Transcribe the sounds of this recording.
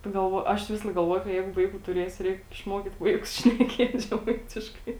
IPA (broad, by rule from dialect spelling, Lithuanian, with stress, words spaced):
pɐɡɐlˠˈʋoːjʊ ˈɐʃ ˈʋʲɪsɐlˠɐɪk ɡɐlˠˈʋoːjʊ kɐ ˈjɛɪɡʊ ˈʋɐɪkuː tʊˈrʲeːsʲʊ ˈrʲɛɪk ɪʃˈmoːkʲiːt ˈʋɐɪkʊs ʃʲnʲɛˈkʲiɛtʲ ʒʲɛˈmɐɪtʲɪʃkɐɪ